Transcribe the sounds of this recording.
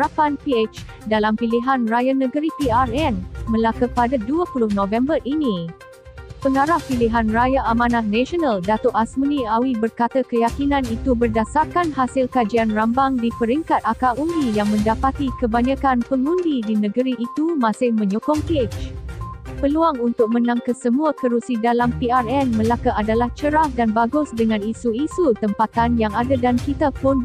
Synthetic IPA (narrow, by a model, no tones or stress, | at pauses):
apanpiet͡ʃ | dalampiliɦanrajanə̃ɡəɾipiarɛnmə̃lakəpadaduəpulʊhnõvɛmbərʔini | pəŋaɾahpiliɦanrajaʔamãnatnɛ̃ʃɔnaldat̪ʊʔasmənĩawibərkat̪akəjakinãnit̪ubərdasarkanhasɪlkad͡ʒianrambaŋdipəɾiŋkat̪̚akaundijaŋmə̃ndapat̪ikəbaɲãkanpəŋũndidinə̃ɡəɾiʔːt̪umãsɪhmə̃ɲɔkɔŋpt͡ʃ | pəluaŋunt̪ʊk̚mə̃nãŋkəsəmũakəɾusidalampiarɛnmə̃lakaʔadalaht͡ʃəɾahdanbaɡʊsdəŋãnisuisut̪əmpat̪anjaŋadadankit̪apʊn